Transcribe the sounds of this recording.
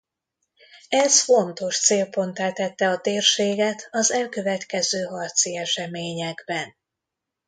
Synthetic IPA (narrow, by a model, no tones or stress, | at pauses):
ɛsfo̞nt̪o̞ʃt̪seːlpo̞nt̪aːt̪ːɛt̪ːɛɒt̪eːrʃeːɡɛt̪ɒzɛlkø̞vɛt̪kɛzøːɦɒrt̪siɛʃɛmeːɲɛɡbɛn